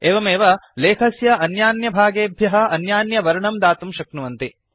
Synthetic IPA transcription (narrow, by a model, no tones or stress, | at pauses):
eːʋɐmeːʋɐleːkʰɐsjɐʔɐnjaːnjɐbʱaːɡeːbʱjɐɦɐɐnjaːnjɐʋɐɾɐɳɐmd̪aːt̪umʃɐknuʋɐnt̪i